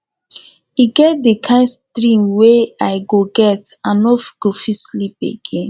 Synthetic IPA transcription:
iɡɛt̚dekʰãɪ̃nstɾĩmweaɪɡoɡɛtãnofɡ̥ofislipḛɡ̥ẽn

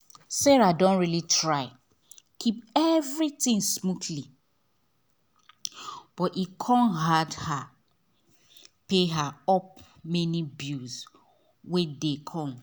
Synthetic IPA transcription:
sɛɹadõnɹilitʰɹaɪ | kʰipɛvɹitĩŋsmuθli | b̥ɔtikʰɔ̃nɦadha | peɦaɔp̚ | mɛnibjuz | wedekʰɔ̃m

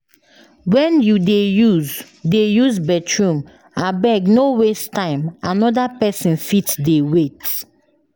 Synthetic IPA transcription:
wɛ̃njudejuz | dejuzbɛtʰɹũm | ãbɛɡnowestãɪ̃manɔdapɛsĩnfitdewet

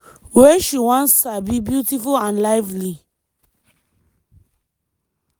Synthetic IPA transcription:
weʃuwɔ̃nsabibjutifulãnlaɪvli

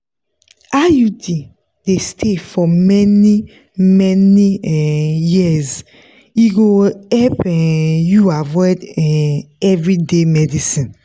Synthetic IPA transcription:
ajudi | destʰefɔmɛni | mɛniɛjiz | iɡoɛpɛjuavɔɪdɛɛvɹidemɛdisĩn

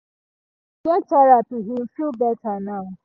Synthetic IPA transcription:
ɡen̩t͡ʃaɾatiɦim̩fibɛtanaʊ

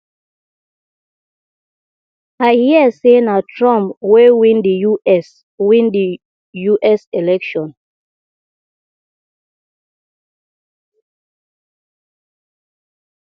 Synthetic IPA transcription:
ajhiɛsenatʰɹɔ̃mpwewĩndijuɛs | wĩndi | juʔɛsɛlɛkʃɔ̃n

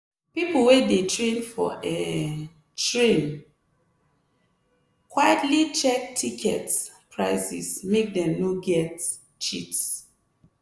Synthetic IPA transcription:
pipowedetʰɹẽnfɔ̰ɛ | tɹẽn | kwajɛtlit͡ʃɛk̚tʰikʰɛ̰ts | pʰɹaɪsḭsmek̚dɛ̃mnoɡɛt | t͡ʃits

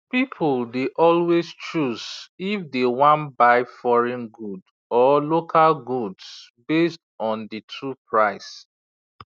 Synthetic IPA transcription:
pipʰʊldeʔɔlwest͡ʃuzifdewãnbaɪfɔɹɛ̃nɡud | ɔlokʰalɡuds | bestɔ̃ndətʰɹupʰɹaɪs

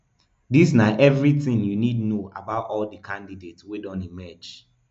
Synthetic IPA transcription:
disnaʔɛvɹiθĩnjunidnoa̰baʊtɔldəkʰãndidetwedɔ̃nimɛd͡ʒ

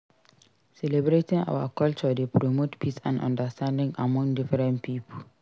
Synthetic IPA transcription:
sɛlebɾetɪ̃ŋa̰wa̰kʰɔlt͡ʃɔdepʰɾomotpʰisã̰nʔɔ̰̃ndastʰãndɪ̃ŋamɔ̃ŋdɪfɾɛ̃npʰiːpʰʊ

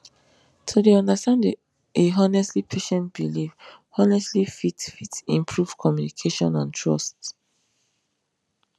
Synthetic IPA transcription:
tʰodeɔ̃ndastãnd | eɦɔnɛstlipʰeʃɛ̃nt̚b̥ilif | ɔnɛstlifitfitĩmpʰɹuvkʰɔmjunikʰeʃɔ̰̃nãntʰɹɔ̰st

